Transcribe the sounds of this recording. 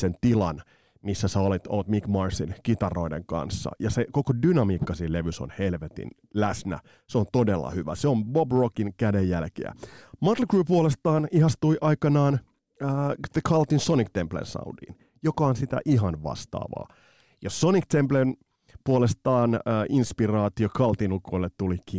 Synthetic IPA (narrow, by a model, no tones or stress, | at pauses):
sent̪ilɑn | misːæsæolet̪o̰lt̪mikmɑrsinkit̪ɑro̞idḛŋkɑ̰nsːɑ̰jɑsekokodynɑmiːkːɑsiːle̞ʋyso̰nhelʋet̪ḭn | læsnæ̰ | seont̪odelːɑ̰hyʋæ̰seombobrokiŋkædejːælkḛæ̰mɑt̪lkruːpuolest̪ɑːnihɑst̪uiʔɑikɑnɑːn | əːðekʰɑlt̪insonikt̪emplḛnsɑ̰udḭːn | jokɑonsit̪æ̰ʔiɦɑnʋɑ̰st̪ɑ̰ːʋɑ̰ː | jɑsonikt̪emplen | puolest̪ɑːnəːʔinspirɑːt̪iokʰɑlt̪inukoilːet̪ːuliki